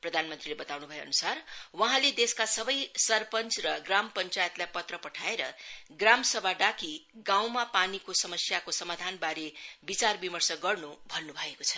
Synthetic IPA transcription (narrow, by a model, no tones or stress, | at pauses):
prʌd̪ʱanmʌnt̪rilebʌt̪awnubʱʌjoʌnusarwʌɦãled̪eskasʌbʌjsʌrpʌnt͡srʌɡrampʌnt͡sajet̪lajpʌt̪rʌpʌʈʰaeɾʌɡramsʌbʱaɖakiɡãw̃mapanikosʌmʌsjakosʌmad̪ʱanbaɾebit͡sarbimʌrsʌɡʌrnubʱʌnːubʱʌekot͡sʰʌ̥